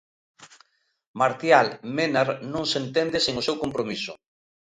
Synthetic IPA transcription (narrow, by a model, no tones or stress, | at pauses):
maɾt̪jalmenaɾnõŋsent̪end̪eseŋosewkompɾomisʊ̰